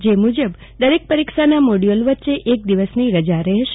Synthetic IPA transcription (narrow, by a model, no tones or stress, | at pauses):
d͡ʒemud͡ʒəb | d̪əɾek̚pəɾikʃanamoɽijolʋətːʃeʔek̚d̪iʋəsniɾəd͡ʒaɾɛɦʃe